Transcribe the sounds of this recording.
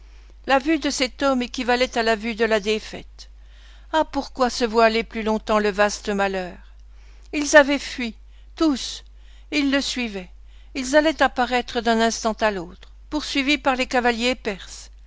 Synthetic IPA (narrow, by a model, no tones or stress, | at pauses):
lavyd̪əsɛt̪ɔmekʲivalɛt̪alavyd̪əlad̪efɛ̰t̪ | apuʁkwasəvwaaleplylɔ̃t̪ɑ̃ləvast̪əmalœːʁ | ilzavɛfɥi | t̪us | ilːəsɥivɛ | ilzalɛt̪apaʁɛt̪χəd̪ɛ̃nɛ̃st̪ɑ̃t̪alot̪χ | puʁsɥivipaʁlekavaljepɛʁs